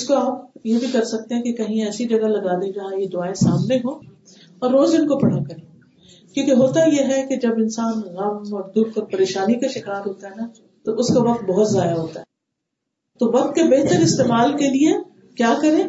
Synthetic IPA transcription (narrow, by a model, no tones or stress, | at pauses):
ɪskoaːpjebʱikɐɾsɐk̚t̪ẽɦɛ̃kekɐɦĩɛːsid͡ʒɐɡalɐɡaːd̪ẽd͡ʒɐɦãjed̪ʊaːesaːmneɦoː | ɔːɾːoːzɪnkopɐɽ̤akɐɾẽ | kjõːkeɦoːt̪ajeɦɛked͡ʒɐbɪnsaːnɣɐmɔɾd̪ʊɾk̪ɐɾpɐɾeːʃaːnikaʃɪkaːɾɦoːt̪aɦɛna | t̪oʔʊskaʋɐq̚t̪̚bɔɦʊt̪zjaːd̪aɦoːt̪aɦɛ | t̪oʋɐqt̪̚kebeɦt̪əɾɪst̪eːmaːlkelie | kjaːkɐɾẽː